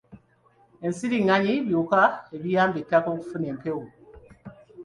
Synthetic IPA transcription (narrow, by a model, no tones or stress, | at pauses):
e̞nsiɾiŋaɲiβjuːkaeβijaːmbetːakoːku̥fune̞ːmpe̞wu